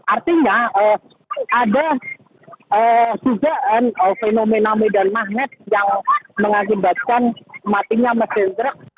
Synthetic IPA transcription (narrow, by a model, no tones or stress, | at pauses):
ʔart̪iɲaə | ʔada | əːsud͡ʒaʔanəfenomenamidanmahnət̪̚jaŋməŋak̬ibat̪̚kanmat̪iɲaməsɪnd̪ɾək̚